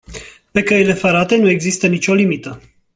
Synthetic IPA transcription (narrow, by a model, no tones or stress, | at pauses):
pe̞kəile̞fəɾat̪e̞nue̞ɡzist̪ənit͡ʃʲo̞limit̪ə